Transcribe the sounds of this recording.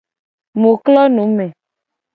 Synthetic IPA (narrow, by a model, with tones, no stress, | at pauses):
mo˨klɔ˦nõ˨˦mɛ̃˨